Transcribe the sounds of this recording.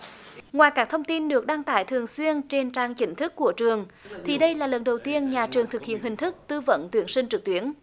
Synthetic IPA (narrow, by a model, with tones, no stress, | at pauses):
ŋwaː˨˩jkaː˦˥k̚t̪ʰə˧wŋ͡mt̪i˧nɗɨ˨˩ək̚ɗa˧ŋt̪aː˧˩jt̪ʰɨ˨˩əŋswi˧ənt͡ɕe˧nt͡ɕaː˧ŋt͡ɕï˨˦ŋ̟t̪ʰɨ˦˥kːu˧˩ət͡ɕɨ˨˩əŋt̪ʰi˨˩ɗə˧jlaː˨˩lə˨˩nɗə˨˩wt̪i˧ənɲaː˨˩t͡ɕɨ˨˩əŋt̪ʰɨ˨˩k̚hḭ˧˨ənhï˨˩ŋ̟t̪ʰɨ˦˥k̚t̪ɨ˧və̰˧˥nt̪wi˨˦ənsï˧ŋ̟t͡ɕɨ˨˩k̚t̪wi˧˦ən